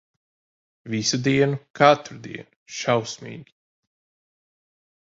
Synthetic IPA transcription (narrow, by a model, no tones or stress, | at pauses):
visud̪iɛnukat̪ɾud̪ḭɛnuʃawsmḭːɡʲi